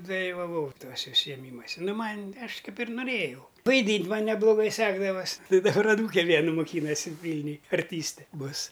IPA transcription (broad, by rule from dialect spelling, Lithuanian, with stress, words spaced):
dɐlʲɪʋɐˈʋɐʊ ˈtuɔsʲɛ ʊʃʲsʲɪjɛˈmʲiːmuɔsʲɛ ˈnʊ ˈmɐnʲ ˈɐʃ ˈkɐɪp ɪr nʊˈrʲeːjɛʊ ʋɐɪˈdʲiːnʲtʲ ˈmɐn nʲɛblˠʊˈɡɐɪ ˈsʲæːɡdɐʋɐsʲ tɐɪ dɐˈbɐr ɐˈnuːkʲɛ ˈʋʲiɛnʊ moːˈkʲiːnɐsʲɪ ˈʋʲiːlʲnʲʊj ɐrʲˈtʲiːsʲtʲɛ ˈbʊs